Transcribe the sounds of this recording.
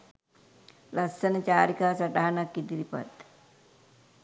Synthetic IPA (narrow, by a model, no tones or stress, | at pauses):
lasːənət͡ʃaːɾikaːsaʈaɦanakːid̪iɾipa̰t̪